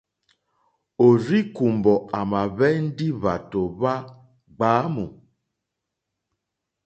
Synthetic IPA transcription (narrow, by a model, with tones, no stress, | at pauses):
o˨ɾi˦ku˨mbɔ˨a˨ma˨βɛ˦n̩˦di˦βa˨to˨βa˦ | ɡ͡baː˨˦mu˨